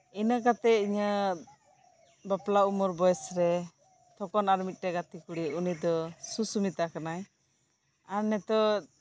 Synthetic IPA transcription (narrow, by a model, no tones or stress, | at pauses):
inakat̪ɛiɲa | baplaumɔɾbɔjɛsɾɛ | t̪ʰɔkɔnaɾmit̪̚ˀʈɛɡat̪ikuɽiunid̪ɔsusumit̪akanaj | aɾnɛt̪ɔ